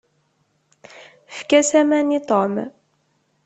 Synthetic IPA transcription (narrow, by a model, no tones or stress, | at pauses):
fkæsæmænit̪ˤom